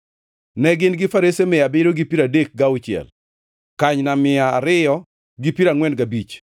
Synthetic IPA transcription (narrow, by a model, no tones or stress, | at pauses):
nɛɡɪnɡɪfaɾesemɪabɪɾoɡipiɾadek̚ɡaʊt͡ʃɪɛ̰l | kaɲnamɪaːɾɪjɔ | ɡɪpiɾaŋwɛnɡabit͡ʃ